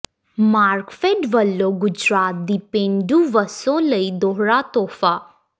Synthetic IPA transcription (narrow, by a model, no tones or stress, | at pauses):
maːɾkfeɖʋəlːoɡʊd͡ʒɾaːt̪̚d̪ipẽɳɖuʋəsõləid̪oɦɾat̪ɔːfa